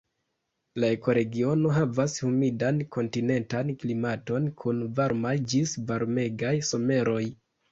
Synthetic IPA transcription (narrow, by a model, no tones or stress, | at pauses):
lae̞ko̞ɾe̞ɡio̞no̞ɦavashumidanko̞ntine̞ntanklimato̞nkʰunvaɾmajd͡ʒisvaɾme̞ɡajso̞me̞ɾo̞j